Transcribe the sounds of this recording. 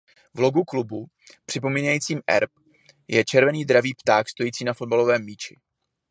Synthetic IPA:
vlo̞ɡuklubu | pr̝̥ɪpo̞miːɲajiːt͡siːmʔɛ̰ɾp̚ | jɛt͡ʃɛɾvɛniːdɾaviːpt̪aːkst̪o̞jiːt͡siːnafo̞d̪balo̞vɛːmːiːt͡ʃɪ

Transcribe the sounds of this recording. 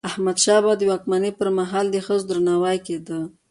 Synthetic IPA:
ahmad̪ʃɑbad̪əwɑkmanepəɾmaɦɑld̪əxəzd̪ɾanɑwajked̪ə

